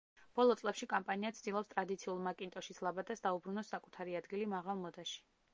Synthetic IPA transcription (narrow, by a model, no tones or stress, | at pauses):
b̥ɔlˠɔt̪sʼlɛpʃikʼampʼaniat̪sʰd̪̥ilˠɔpst̪ʼɾad̪it̪sʰiulˠmakʼint̪ʼɔʃislˠabad̪asd̪aubɾunɔsːakʼut̪ʰaɾiad̪ɡilimaʁalˠmɔd̪aʃi̥